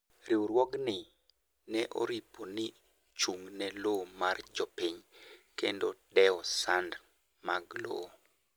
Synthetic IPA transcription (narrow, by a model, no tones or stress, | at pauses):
ɾiwɾwɔɡnɪ | nɛʔo̰ɾipʰonɪ | t͡ʃuŋnɛlomard͡ʒɔpiɲkendodɛɔsand | maɡlo̰